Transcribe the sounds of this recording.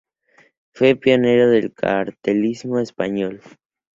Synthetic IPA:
fwe̞pjo̞ne̞ɾoðe̞lkʰa̰ɾt̪elizmo̞espaɲo̞l

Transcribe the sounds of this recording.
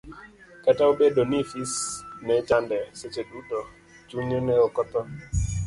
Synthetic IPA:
kataobedonifisnɛt͡ʃandɛset͡ʃedutɔ | t͡ʃuɲɔnɛɔkɔt̪ɔ

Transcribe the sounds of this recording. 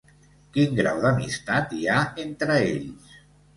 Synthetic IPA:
kiŋɡɾa̰wðəmḭst̪at̪iaent̪ɾəḛʎs

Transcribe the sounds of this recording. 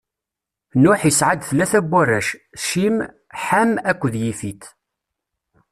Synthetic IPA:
nʊħisʕad̪θlːæθæbʷːærːæʃʃim | ħamækʷːðjifit̪

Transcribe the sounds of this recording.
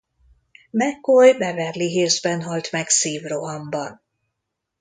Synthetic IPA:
mɛkojbɛvɛrliɦeːzbɛnɦɒlt̪mɛɡsiːvroɦɒmbɒn

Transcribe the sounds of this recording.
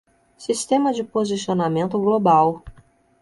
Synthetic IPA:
sist̪ẽmɐd͡ʒɪpozisionamẽnt̪ʊɡlobaw

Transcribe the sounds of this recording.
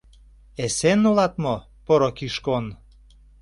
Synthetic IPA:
esenːolɑt̪mo | poɾokiʃkon

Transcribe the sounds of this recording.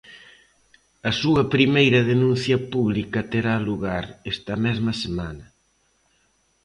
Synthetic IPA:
ɐsuɐpɾimejɾɐðenũn̟θjɐpuβ̞likɐt̪eɾaluɣaɾest̪ɐmɛzmɐsemanɐ

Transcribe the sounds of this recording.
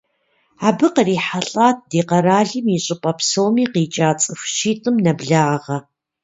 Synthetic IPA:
aːbɨqəriːħaɬʼaːt̚ʰdeːqɐɾaːɮɨmiɕʼɪpʼɐpʰsowmiːqiːt͡ʃʼaːt͡sʼɨfʷʃiːtʼɨmnɐbɮaːʁɐ

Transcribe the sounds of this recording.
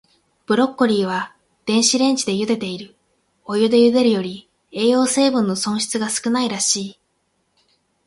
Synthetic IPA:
b̥ɯ̟ɾo̞kːoɾʲiːβ̞a | d̪̥ẽ̞ɰ̃ɕiɾẽ̞ɲ̟t͡ɕid̪e̞jɯ̟d̪e̞t̪e̞iɾɯ̟ | o̞jɯ̟d̪e̞jɯ̟d̪e̞ɾɯ̟jo̞ɾʲi | e̞ːo̞ːse̞ːbɯ̟̃nːo̞sõ̞ɰ̃ɕi̥t͡sɨɡasɨ̥kɯ̟naiɾaɕiː

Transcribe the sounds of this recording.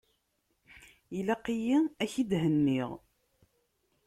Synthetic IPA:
ilæqijiæçid̪ɦənːiʁ

